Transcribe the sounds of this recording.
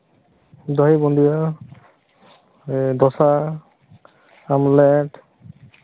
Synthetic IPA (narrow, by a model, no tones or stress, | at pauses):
dɔɦibɔndijɔ | dɔsa | amlɛt